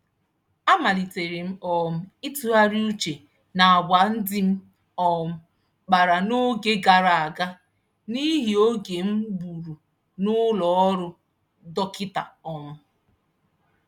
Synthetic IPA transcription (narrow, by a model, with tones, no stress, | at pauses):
a˦ma˨li˨te˨ɾe˨m̩˦ɔ˨m̩˦i˦tu˦a˦ɾi˦u˦t͡ʃe˨ | na˨a˨bʷa˨n̩˦dɪ˦m̩˦ | ɔ˨m̩˦ | k͡pa˨ɾa˨no˦ɡe˦ɡa˨ɾa˨a˨ɡa˦ | ni˦ɦi˨o˦ɡe˨m̩˦bu˨ɾu˨ | nʊ˦lɔ˨˦ɔ˦ɾʊ˦ | dɔ˦kɪ˦ta˨ɔ˨mʊ˦